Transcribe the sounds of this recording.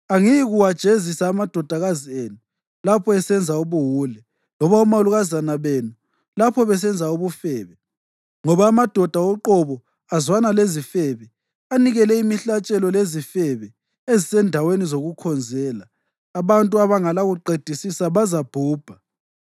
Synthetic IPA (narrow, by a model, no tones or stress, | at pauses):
aŋijiɣuwad̥ʒ̥ʱezisaːmad̥ʱɔd̥ʱaɣazienu | lapʰɔɛsɛnd͡zʱauβuɦuːlɛ | lɔβaumaoluɣazanaβenu | lapʰɔβɛs̬ɛnd͡zʱauβufɛːβɛ | ŋɔβaːmad̥ʱɔd̥ʱaɔǃɔβɔ | azwanalezifɛβɛ | aniɣɛlɛimiɬat͡ʃʼɛlɔlezifɛβɛ | ezisɛndʱawenizoɣukʰɔnd͡zʱɛːlaː | βantʼuaβaŋalaɣuǃed̥ʱisisaβazab̥ʱuːb̥ʱa